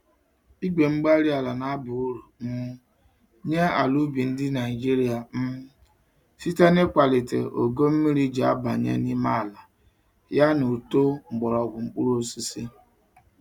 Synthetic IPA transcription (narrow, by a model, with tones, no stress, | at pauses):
i˦ɡ͡bʷe˨ŋ͡m̩˦ɡ͡ba˦ɾi˦a˨la˨na˦a˦bʊ˨u˦ɾu˨m̩˦ | ɲe˦a̰˨lu˦bi˨n̩˦dɪ˦na˨i˨d͡ʒi˦ɾi˦a˨m̩˦m˦ | si˦ta˦ne˦kʷa˨lɪ˨tḛ˨o̰˨ɡo˦m̩˦mi˦ɾi˦d͡ʒa˨a̰˦ba̰˨ɲḛ˦ni˦ma˦a˨la˨ | ja˦no˨to˦ŋ͡m̩˨ɡ͡bɔ˨ɾɔ˨bʊ˨ŋ͡m̩˦k͡pu˦ɾo˦si˦si˦